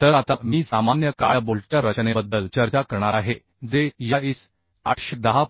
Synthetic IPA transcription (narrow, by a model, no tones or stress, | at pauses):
t̪əɾat̪amiːsamanjəka̰jboɭʈjaɾət͡ɕnebəd̪ːəlt͡ɕəɾt͡ɕakəɾɳaɾaɦe | d͡zejais | a̰ʈɕəd̪əɦa